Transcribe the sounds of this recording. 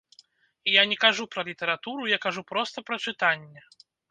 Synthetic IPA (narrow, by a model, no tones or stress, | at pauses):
ijanʲɛkaʐupɾɐlʲit̪ɛɾat̪uɾujakaʐupɾɔst̪ɐpɾɐt͡ʂɨt̪anʲːɛ